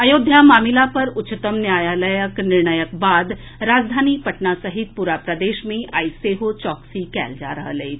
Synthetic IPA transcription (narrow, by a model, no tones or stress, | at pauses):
əjod̪ʱjamaːmilapəɾʊt͡ʃt̪əmnjajaləjəknɪɾɳəjək̚bad̪ | ɾad͡zd̪ʱaniːpəʈɳasəɦit̪̚puɾapɾəd̪eʃmiːʔajseɦot͡ɕɔksikɛ̰ld͡ʒa̰ɾəɦəle